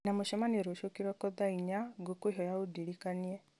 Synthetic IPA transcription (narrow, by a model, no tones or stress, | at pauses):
namoʃɛmanieɾoʃokiɾwakɔðaiɲaɡokoiɦɔjaudiɾikaniɛ